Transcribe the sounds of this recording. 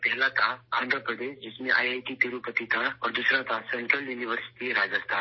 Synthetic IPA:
pɛɦlat̪ʰaãːnd̪ʱɾəpɾəd̪eːʃd͡ʒɪsmẽʔaːjajʈit̪iɾupət̪it̪ʰaɔːɾd̪usɾat̪ʰasɛ̃ɳʈɾəljuːniʋəɾsɪ̥ʈiɾaːd͡ʒəst̪ʰaː

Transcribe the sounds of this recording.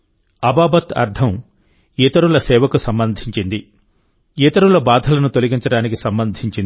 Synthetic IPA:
ɐbaːbɐt̪ɐ̰ɾd̪ʰʱɐm | it̪ɐɾulɐsɛːʋɐkusɐmbɐnd̪ʱiɲt͡ʃind̪i | it̪ɐɾulɐbaːd̪ʱɐlɐnut̪o̞liɡiɲt͡ʃɐɽaːnikisɐmbɐnd̪ʱiɲt͡ʃin

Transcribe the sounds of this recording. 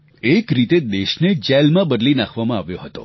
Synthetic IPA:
ekɾit̪ed̪eʃned͡ʒɛlmãbəd̪linakʰʋamãaʋjoɦət̪o̰

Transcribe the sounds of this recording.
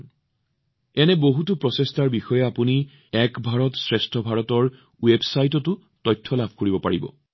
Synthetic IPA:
ɛnɛboɦutʊpɹɔsestaɹbixɔjɛapuni | ɛkbʱaɹɔtsɹestʰɔbʱaɹɔtɔɹ | websajtɔtʊ | tɔjtʰːɔlabʱkoɹibɔpa̰ɹibɔ̰

